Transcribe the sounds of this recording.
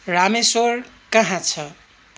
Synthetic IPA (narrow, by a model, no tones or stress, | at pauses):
ɾamesoɾ | kʌɦãt͡sʰʌ